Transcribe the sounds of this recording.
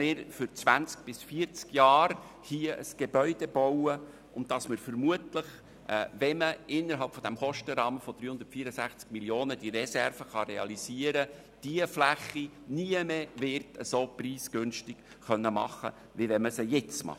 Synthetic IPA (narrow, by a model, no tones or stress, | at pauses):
mɪːɾfʏɾt͡svʋænt͡sk̚b̥ɪsfiəɾt͡skjɑːɾ | hiəʔə̰sɡ̥ebœʏd̥ɛbɔwə | ʔʊn̚dɑsməɾfəɾmuətləχ | vɛməɪnːəɾɦɑlpfɔd̥̪æmχɔʃtəɾɑːməfɔd̥ɾyːhʊnd̪ə̥tfiːɾəsæχt͡skmiljoːnəd̥iɾɛsɛrfəχɑɾɛɑ̰lisiːəɾə | d̥iəflæχːi | niəmevɪrtəsopriːsɡ̥ønʃtɪk | χœnːəmɑ̰χːə̰ | ʋivɛməsəjɛt͡smɑ̰